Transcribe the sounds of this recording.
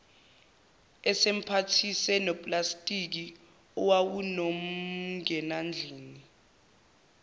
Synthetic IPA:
ɛsem̩pʰatʰisɛnɔpʼlastʼik̬i | ɔwawunom̩ŋɡɛnand͡ɮʱeːni

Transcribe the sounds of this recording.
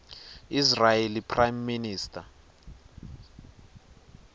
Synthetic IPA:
israjelipʰrajmːiniːstʰʼa

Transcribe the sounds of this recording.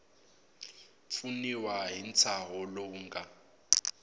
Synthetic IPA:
funiwaɦin̩t͡sʰaɣɔloŋ̩kʼa

